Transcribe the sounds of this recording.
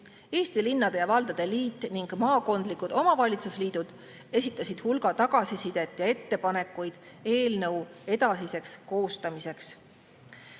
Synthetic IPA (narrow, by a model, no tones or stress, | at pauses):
e̞ːst̪ilinːɑd̪̥e̞jɑvɑld̪̥ɑd̪̥e̞liːt̪ːˑniŋɡ̥mɑːko̞nd̪likːˑud̪̥o̞mɑvɑlʲit̪susliːd̪̥ud̪̥ | e̞sʲit̪ˑːɑsʲid̪̥hulɡ̥ɑt̪ɑɡ̥ɑsisid̪̥e̞t̪ːˑjɑe̞t̪ːe̞pɑne̞kːˑujd̪̥ | e̞ːlnɤwe̞d̪ɑsise̞ksko̞ːst̪ɑmise̞ks